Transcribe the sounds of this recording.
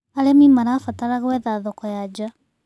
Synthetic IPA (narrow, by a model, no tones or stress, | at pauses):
aɾemimaɾaːfataɾaɣwɛðaðɔkɔjad͡ʒa